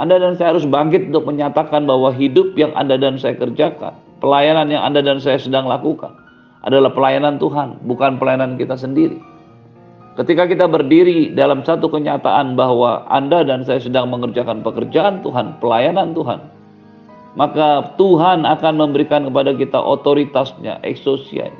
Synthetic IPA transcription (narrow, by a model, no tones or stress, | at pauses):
ʔandadansajaɦaɾʊsbaŋk̬ɪt̪̚unt̪ʊk̚məɲat̪akanbaɦwaɦidʊp̚jaŋa̰ndadansajakərd͡ʒaka̰n | pəlajananja̰ŋa̰ndadansajasədaŋlakuka̰n | ʔa̰dalahpəlajanant̪uɦanbukanpəlajanankit̪as̬əndiɾḭ | kət̪ikakit̪abərdiɾidalamsat̪ukəɲat̪a̰ʔanbaɦwaa̰ndadansajasədaŋməŋərd͡ʒakanpəkərd͡ʒaʔant̪uɦanpəlajanant̪uɦa̰n | makat̪uɦanakanməmbəɾikankəpadakit̪a̰ʔot̪oɾit̪asɲa̰ʔɛ̰ksosḭa̰ɲa